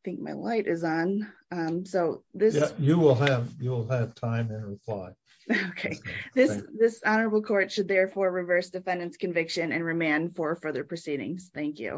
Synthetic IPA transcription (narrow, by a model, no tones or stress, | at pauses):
ɪθɪ̃ŋk̚maɪlaɪɾʔɪzn̩ | ʌ̃msoʊðɪsjjɨwɪlˠəvjɨwɪlˠɨv̥tʰãɪ̃mɨ̃nɹɨpʰl̥aɪ | oʊkʰeɪðɪðɪsɑnə˞əbl̩ˠkʰɔɹtʃɨd̪̚ðɛɹfɔɹɹɨvɜ˞sd̥ɨfɛ̃ndɨ̃nskɨ̃ɱvɪkʃɨ̃nɨ̰̃nɹɨmæ̃nfə˞fɜ˞ðə˞pʰɹ̥ɨsiɾɪ̰̃ŋz̥θæ̃ŋkjʉ̰